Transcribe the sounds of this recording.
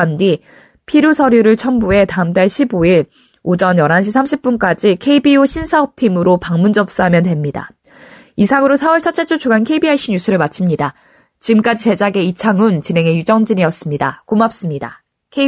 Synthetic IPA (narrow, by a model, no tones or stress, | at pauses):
ndi | pʰiɾjosʰʌɾjuɾɯɭt͡ɕʰʌnbue̞taɯmtaɭɕʰiboiɭ | od͡ʑʌnjʌɾɦanɕʰisʰamɕʰip̚p͈unk͈ad͡ʑikʰe̞ibioɕʰinsʰaʌp̚tʰimɯɾopaŋmund͡ʑʌp̚s͈ɯɦamjʌntwe̞mɲida̰ | isʰaŋɯɾosʰawʌɭt͡ɕʰʌt͡ɕ͈et͡ɕʰot͡ɕʰuɡankʰeibiaiɕʰiɲusʰɯɾɯɭmat͡ɕʰimɲida | t͡ɕiɡɯmk͈ad͡ʑit͡ɕe̞d͡ʑaɡe̞it͡ɕʰaŋunt͡ɕinɦe̞ŋe̞jud͡ʑʌŋd͡ʑiɲiʌs͈ɯmɲida̰komap̚s͈ɯmɲida̰ | kʰe